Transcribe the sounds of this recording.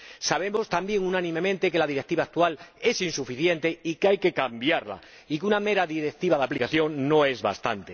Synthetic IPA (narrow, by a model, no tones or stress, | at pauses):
saβ̞e̞mo̞st̪ambje̞ŋunãnĩmẽ̞mẽnt̪e̞ke̞laðiɾek̚t̪iβaːk̚t̪uale̞sinsufiθje̞nt̪e̞ikeajke̞kambjaɾla̰ | ikuname̞ɾaðiɾek̚t̪iβaðaplikaθjo̞ŋno̞e̞zβa̰st̪a̰nt̪e̞